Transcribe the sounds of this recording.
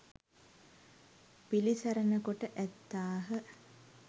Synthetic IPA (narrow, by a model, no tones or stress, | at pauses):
pilisæɾənəkoʈəʔæt̪ːaːɦə